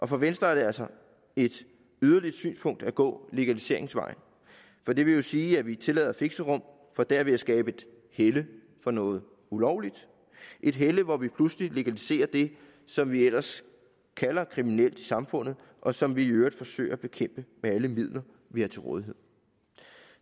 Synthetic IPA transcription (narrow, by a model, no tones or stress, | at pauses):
ʔɒ̽fɒ̽ʋensd̥ʁɐæɐd̥e̝ælsɒ | e̝d̥ | yð̞ˠɐli̥sy̰ːnspʰɔ̽ŋ̰d̥æɡ̥ɔ̰̽ːle̝ɡ̥ælise̝ɐe̝ŋsʋɑ̈ɪ̰n | fɒ̽d̥e̝ʋe̝jo̝siːæʋit͡sʰe̝lɛ̰ːð̰ˠɐfe̝ɡ̥səʁɔ̽m̰ | fɒ̽d̥æɐʋe̝jasɡ̥ɛːb̥əe̝d̥ | helə | fɒ̽nɔ̽ːð̞̩ˠ | ulɒʊlid̥ | ʔe̝d̥ɦeləʋɒʋipʰlusəlile̝ɡ̥ælise̝̰ːɐd̥e̝ | sɒ̽mʋiel̰ɐs | kʰælɐkʰʁiminel̰d̥isɑ̈mfɔ̽n̰ð̩ˠ | ʔɒ̽sɒ̽mʋiiøːɐd̥fɒ̽sø̰ɪɐb̥e̝kʰem̰b̥əmeæləmið̞̰ˠlɐ | ʋihɑ̈t͡sʰe̝lʁɔ̽ːð̞ˠiɦe̝ð̰ˠ